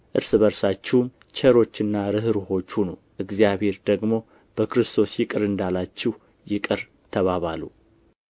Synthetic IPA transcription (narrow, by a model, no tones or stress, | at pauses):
ʔɨɾsɨβəɾsat͡ʃːɛwm | t͡ʃʰɛɾo̞t͡ʃːɨnːaɾɨhɨɾuho̞t͡ʃːhunowʔɨɡzijaβhe̞ɾd̪əɡmo̞ | b̥əkɾɨst̪ʰo̞sjɪkʼɨɾɨnd̪alat͡ʃːɪh | jɪkʼɨɾ | t̪ʰəβaβalu